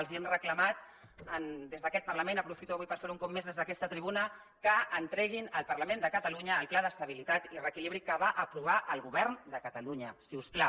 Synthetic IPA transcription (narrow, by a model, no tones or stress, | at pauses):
lˠziɛmrəkləmat̪ | ənd̪ezðəkɛt̪̚pəɾləmenəpɾufit̪uaβuijpəɾfeɾuŋkɔpmːezðezðəkɛst̪ət̪ɾiβunə | kəːnt̪ɾɛɣ̞inəlˠpəɾləmẽnd̪əkət̪əluɲəːlˠplaðəst̪əβ̞ilit̪at̪irəkiliβɾikəβaʔəpɾuβ̞aʔəlˠɣuβɛɾnd̪əkət̪əluɲəsiuspla